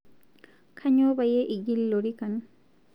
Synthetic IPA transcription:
kʰaɲobajeʔiɡilːoɾikan

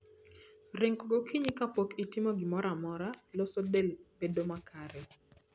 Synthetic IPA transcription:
ɾɪŋkɡokʰiɲɪkapokitɪmoɡɪmɔɾamɔɾalɔsɔdelbedomakʰaɾɛ

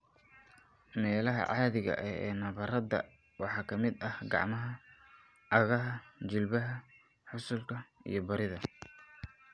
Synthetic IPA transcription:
mɛːlɐɦɐ̰ʕɑːðɪɣɐ̰ʔɛɛːnɐβɐɾɐd̪ɐ̰ | wɑħɑːkʰɐmɪd̪ɐhɡɑ̰ʕmɐɦɐ | ʔɐɣɐɦɐt͡ʃɪlbɐɦɐ | ħʊsʊlkʰɐḭjɞbɐɾɪðɐ

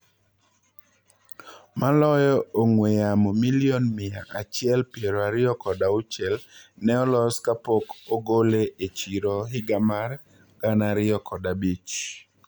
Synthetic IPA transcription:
malɔjɔoŋwejamɔmilijonmɪaʔat͡ʃɪɛlpjeɾoaɾɪɔkɔdaʊt͡ʃɛlnɛɔlɔskapokoɡoleʔet͡ʃiɾoɦɪɡamar | ɡ̥anaɾɪɔkʰɔdabit͡ʃ

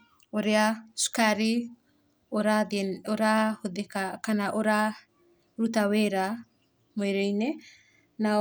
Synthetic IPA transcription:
ɔɾɛasu̥kaɾi | ɔɾadɔɾahud̪ɛkakanaʔɔɾa | ɾut̪aweɾa | mɔjɾɛjnɛ | na

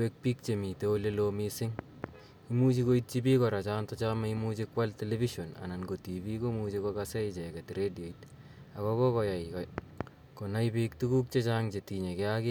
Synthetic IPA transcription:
wek̚pik̚t͡ʃemitolelomisɪŋ | imut͡ʃikoit̚t͡ʃipikɔɾat͡ʃantɔt͡ʃamaimut͡ʃikwaltelefiʃona̰nanɡotipikomut͡ʃekɔkaseit͡ʃeketiɾediait | akɔkɔkɔjajk | konajpiktukuk̚t͡ʃet͡ʃaːŋt͡ʃetiɲekɛakɪ

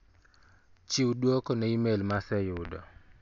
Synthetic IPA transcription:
t͡ʃiwdwɔkɔnɛimelmasɛjʊdɔ̰

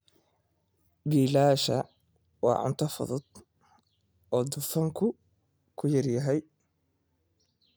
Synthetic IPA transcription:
biːlaːʃɐ | wɑ̰ːʕʊ̰nt̪ʰɐfɔ̰ðɔd̪̥ | ɔːd̪ʊfɐŋkʰʊ | kʰʊjɐrjɐɦɛj

